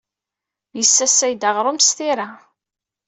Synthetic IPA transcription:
jəsːæsːæjd̪aʁɾˤomsθiɾa

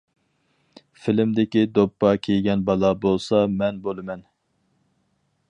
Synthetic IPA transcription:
fɪlɪmd̪ɪkʲid̪opːɑkʲʰejɡʲɛnbɑlˠɑbolˠsɑmɛnbolˠɨmɛn

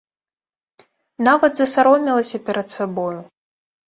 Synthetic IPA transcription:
navɐd̪zɐsaɾɔmʲilˠɐsʲɐpʲɛɾɐt̪sabɔju

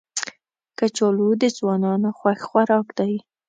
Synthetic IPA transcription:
kat͡ʃɑlud̪əzwɑnɑnoxwaxxʷwaɾɑkd̪ɑj

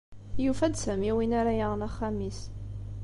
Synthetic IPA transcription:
jufæd̪sæmiwinaɾajaʁnaχːæmis

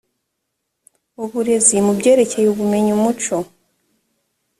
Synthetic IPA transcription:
uβuɾe̞zimubɟe̞ːɾe̞ce̞juβume̞ɲumut͡ʃo

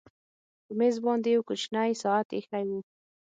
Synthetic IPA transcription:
pəmezbɑnd̪ewkʊt͡ʃnajsɑat̪exajwu

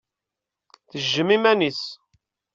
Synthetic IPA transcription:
θəʒːəmimænis

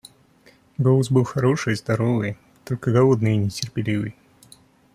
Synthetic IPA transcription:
ɡolˠəsbɨlˠxɐɾo̞ʂɨjzd̪ɐɾo̞vɨj | t̪olʲkəɡɐlˠod̪nɨjinʲɪtʲɪrpʲɪlʲivɨj

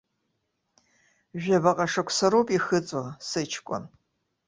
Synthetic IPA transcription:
ʒʷᶣɐbɐqʼɐʂɐkʷʰʼsɐɾoːpʼixɨt͡sʼosɨt͡ʃʰkʷʼɔ̰n

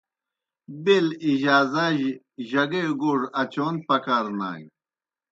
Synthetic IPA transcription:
biliʑaːzɐ̃ʑ | ʑɐɡeɡuʐɐt͡ɕoːnpɐkaɾna̰ːŋ

